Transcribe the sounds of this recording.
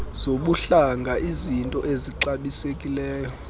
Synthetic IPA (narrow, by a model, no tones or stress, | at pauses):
z̥oɓuɬaŋɡʱaʔizintʼɔʔeziǁaɓisekʼilɛːjɔ